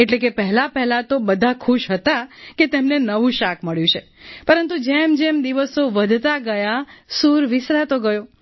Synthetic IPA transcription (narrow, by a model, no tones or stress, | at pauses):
eʈlekepəɦɛlapɛɦlat̪obəd̪ʱakʰuʃɦət̪aket̪emnenəʋũʃakʰməɭjũt͡ʃʰepəɾənt̪ud͡ʒemd͡ʒemd̪iʋəsoʋəd̪ʱt̪aɡəjasuɾʋɪsɾat̪oɡəjo